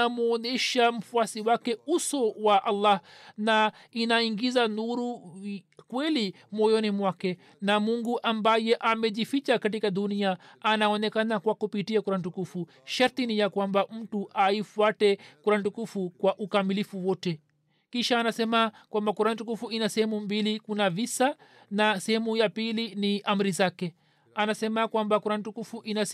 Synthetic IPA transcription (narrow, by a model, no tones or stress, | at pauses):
amuɔnɛʃam̩fuasiwakɛusɔwaʔalːahna | inaiŋɡizanuɾu | kwɛli | mɔjɔnimwakɛ | namuŋɡuʔambajɛʔamɛʄifit͡ʃakatikaɗuniaanaɔnɛkanakwakupitiakuɾantukufu | ʃaɾt̪inijakwambam̩tuʔaifuatɛkuɾantukufukwaʔukamilifuwɔtɛ | kiʃaːnasɛmakwambakuɾan̩tukufuinasɛhɛmumbilikunavisa | nasɛhɛmujapiliniʔam̩ɾizakɛ | anasɛmakwambakuɾan̩tukufuʔina